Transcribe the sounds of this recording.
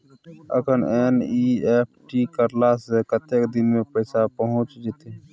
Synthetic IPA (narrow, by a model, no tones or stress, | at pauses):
ə̰kʰəneːniep̚ʰʈikəɾlasekət̪ekd̪ɪnmepəɪsapəɦʊ̃t͡ʃd͡ʒit̪e